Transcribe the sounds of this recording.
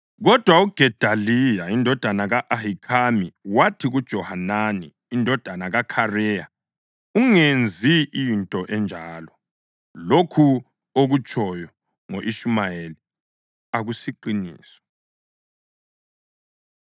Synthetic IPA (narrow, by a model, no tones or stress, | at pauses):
ɣɔd̥ʱwauɡ̥ʱɛd̥ʱalijaindʱɔd̥ʱanaɣaʔahikʰamiwatʰiɣud̥ʒ̥ʱɔhananiːndʱɔd̥ʱanaɣakʰarɛja | uŋend͡zʱiʔijːntʼɔʔɛnd͡ʒʱaːlɔ | lokʰu | oɣut͡ʃʰʼɔjɔ | ŋoʔiʃumajeli | aɣusiǃinḭːsɔ̥